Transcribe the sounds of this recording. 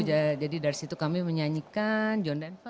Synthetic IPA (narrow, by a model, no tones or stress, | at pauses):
ud͡ʒad͡ʒadidaɾsit̪ukamiməɲaɲikand͡ʒɔndanpa